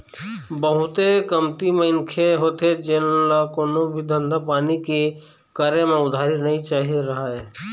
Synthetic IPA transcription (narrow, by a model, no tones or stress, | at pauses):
bəɦʊt̪ekəmt̪imẽɪnkʰeɦoːt̪ʰed͡ʒenlakoːnõbʱid̪ʱə̃nd̪apaːnike | kəɾemẽʊd̪ʱaːɾinəɦĩt͡ʃaːɦiɾɐɦaɦɛː